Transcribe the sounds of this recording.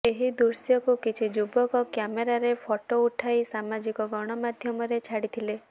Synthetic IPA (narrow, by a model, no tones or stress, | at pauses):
eɦid̪uɾsjɔkukit͡ʃʰid͡ʒubɔkɔkjameɾaɾepʰɔʈouʈʰajsamad͡ʒikɔɡɔɽ̃ɔmad̪ʱjɔmɔɾet͡ʃʰaɽit̪ʰile